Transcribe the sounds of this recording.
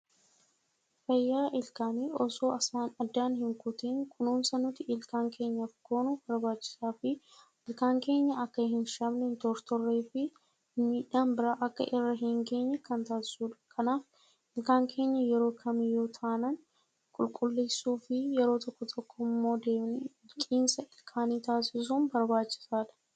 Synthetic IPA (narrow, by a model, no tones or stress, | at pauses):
fɐjːaːʔɪlkaːniːɔsoːɐsaːnɐd̪ːaːnhɪŋkʊt̪iːŋkʰʊnuːnsɐnʊt̪ːɪʔɪlkaːŋkʰe̞ːɲːɐfkʰoːnub̥ɐɾbaːt͡ʃːɪ̥saːfɪ | ʔɪlkaːŋke̞ːɲːɐɐkːɐhɪnʃɐmnɛnt̪ɔɾt̪ɔrːe̞ːfɪ | miːᶑaːmbɪɾɐʔɐkːɐ̰ʔɪrːɐɦɪŋɡe̞ːɲːɛkɐnt̪aːsɪ̥suːᶑɐ̥kʰɐnaːf | ʔɪlkaːŋkʰe̞ːɲːɐjɛɾo̞ːkʰɐmɪjoːt̪ʰaːnɐn | kʼʊlkʼʊlːeːsuːfɪjɛɾo̞ːt̪ʰɔkːɔt̪ɔkːɔmːo̞ːd̪e̞ːbnɛ | kʼiːnsɐɪlkʰaːniːt̪aːsɪs̬uːnbɐɾbaːt͡ʃːɪ̥saːᶑɐ̥